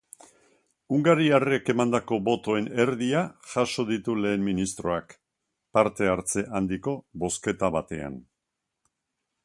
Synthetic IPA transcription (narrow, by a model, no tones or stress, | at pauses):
uŋɡaɾiare̞ke̞mand̪ako̞bo̞t̪o̞e̞ne̞ɾðiaʝaʃo̞ðit̪ule̞ːnminist̪ɾo̞ak | paɾt̪e̞aɾt͡se̞ʔand̪iko̞βo̞ske̞t̪aβat̪e̞a̰n